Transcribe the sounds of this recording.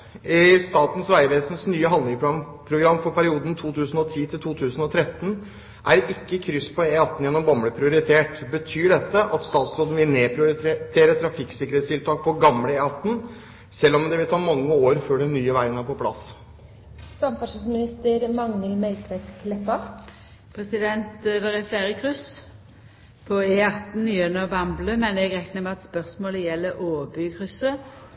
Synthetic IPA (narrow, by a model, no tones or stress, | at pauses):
ɪst̪ɑːt̪n̩sʋæɪʋeːsən̩snyːəɦɑnd̪ɪŋpʰɑnpʰɾʊɡɾɑmːfɔɾpʰæɾɪuːd̪ənt̪ʰuːt̪ʰʉːsn̩ɔt̪ʰiːt̪ʰɪlt̪ʰuːt̪ʰʉːsn̩ɔt̪ʰɾɛt̪ːən | ʔæɾɪkːəkʰɾʏspʰɔeːɑt̪ːn̩jɛnːɔmbɑmɽəpʰɾɪʊɾɪt̪ʰeːʈbət̪ʰyːɖɛt̪ːəʔɑt̪st̪ɑːt̪sɾoːd̪n̩ʋɪlneːpʰɾɪʊɾɪt̪ʰeːɾət̪ʰɾɑfɪksɪkəɾheːt̪st̪ʰɪlt̪ʰɑːk̚pʰɔɡɑmləeːɑt̪n̩ | sɛlːɔmd̪ɛʋɪlt̪ʰɑːmɑŋːəoːɾføːɖɛnːyːəʋæɪənæɾpɔpʰlɑ̰s | sɑmpæʂunsmɪnɪst̪əɾmɑŋnəlmɛlk̪ʰʋɛt̪kʰlɛpːɑ | pʰʁɛsɪd̪ɛnt̪d̪ɛʁɛfleːɾəkʰʁʉs | pʰɔeːɑt̪n̩ːyːønəbɑmbləmɛnɛɡʁɛknəmɛɑt̪spœʁsmoːləjɛlːəʔoːbʏɡkʁʉsə